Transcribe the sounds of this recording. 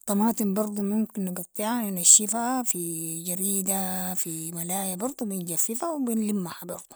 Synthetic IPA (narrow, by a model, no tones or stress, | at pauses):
t̪ˤɑmɑːt̪ˤimbɑɾˤd̪ˤumumkinːɪɡɑt̪ˤːiʕannaʃːifhafid͡ʒaɾiːd̪afimalaːjabɑɾˤd̪ˤubinɡafːifawbinlimːahabɑɾˤd̪̥ˤu̥